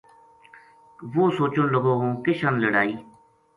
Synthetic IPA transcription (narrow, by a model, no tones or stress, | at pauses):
ʋoːsoːt͡ʃənləɡõːɦõːkɪʃənləɽaːiː